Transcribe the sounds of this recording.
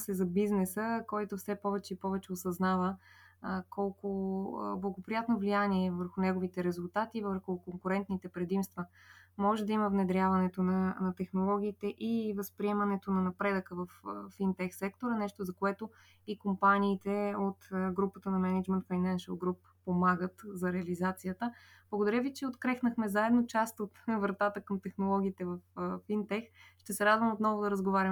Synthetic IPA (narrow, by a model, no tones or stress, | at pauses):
sɛzɐbiznɛsəkɔjt̪ofsɛpɔvɛt͡ʃɛipɔvɛt͡ʃɛosɐznavə | kʰɔlˠkʊ̰blˠɐɡopɾijat̪novlijaniɛvəɾxʊnɛɡovit̪ɛɾɛzʊlˠt̪at̪ivəɾxʊkoŋkʊɾɛnt̪nit̪ɛpɾɛd̪imst̪və | mɔʒɛd̪ɐiməvnɛd̪ɾʲjavɐnɛt̪onɐnɐt̪ɛxnolˠɔɡ̟ʲiːt̪ɛʔivɐspɾiɛmɐnɛt̪onɐnɐpɾɛd̪əkəvɐffint̪ɛxsɛkt̪oɾɐnɛʃt̪ozɐkoɛt̪o | ikompaniːt̪ɛot̪ɡɾupət̪ənɐmɛnɛd͡ʒmɛnt̪fajnanʃəlˠɡɾupːomaɡət̪zɐɾɛɐlizat̪sijət̪əb̥lˠəɡod̪ɐɾʲəvit͡ʃɛot̪kɾɛxnəxmɛzaɛd̪not͡ʃast̪ot̪vɾt̪at̪əkəmt̪ɛxnolˠɔɡ̟ʲiːt̪ɛvɐffint̪ɛxʃt̪ɛsɛɾad̪vəmot̪nɔvoʊd̪ɐɾəzɡovaɾʲim